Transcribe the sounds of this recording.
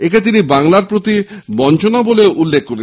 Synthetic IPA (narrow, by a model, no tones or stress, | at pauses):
ekat̪inibaŋlaɾpɾot̪ibɔnt͡ɕʰonaboleʔulːekʰkoɾe